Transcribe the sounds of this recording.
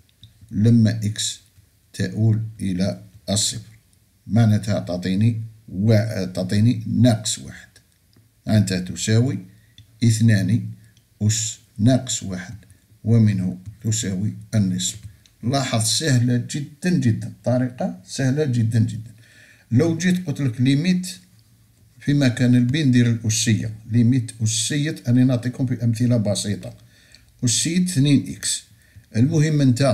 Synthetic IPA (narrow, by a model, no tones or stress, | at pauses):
ləmːæʔəks | t̪ʰæʔulʔəlæʔəsˤːəfɾ | maʕnæt̪hæt̪ɑt̪ˤiniwat̪ɑt̪ˤininɑqswa̰ħəd̪̥ | ʕənt̪æt̪usæwi | ʔət̪næni | ʔuʃ | nɑqswaħəd̪ | wəmənhut̪usæwiʔənːəsˤb | lːɑħɑðˤsæhlæʒəd̪ːənʒəd̪ːənt̪ˤːɑɾiqɑsæhlæʒəd̪ːənʒəd̪ːən | ləwd͡ʒit̪qot̪ləklimit̪ | fimækænəlbind̪iɾəlʔʊsːəjːa̰limit̪ʔʊsːəjːət̪ʔæninɑt̪ˤikhʊmfiʔəmθəlabɑsit̪ˤɑ | ʔʊsːəjːət̪θninʔḭks | ʔəlmʊhəmːənt̪æ